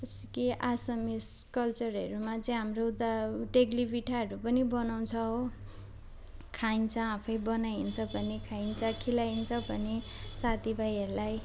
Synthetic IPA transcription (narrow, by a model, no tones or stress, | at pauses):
ʌskiʔasʌmiskʌlt͡sʌrʌɾumat͡sʌĩɦamrod̪aʈeɡlibiʈʰaɦʌɾupʌnibʌnaw̃t͡sʰʌɦo | kʰaint͡sʰʌapʰʌjbʌnaint͡sʰʌbʱʌnekʰaint͡sʰʌkʰilaint͡sʰʌbʱʌne | sat̪ʰibʱajʌɾulaj